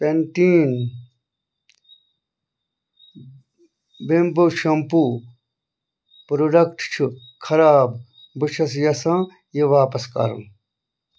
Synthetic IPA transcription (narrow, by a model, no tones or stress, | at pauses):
penʈiːn | bemboʃʰɐmpuː | pɾoɖɐkʈt͡ʃʰu | kʰɐɾaːb | bɨt͡ʃʰɐs̬jɐsãː | jeʋaːpɐska̰ɾɐ̰m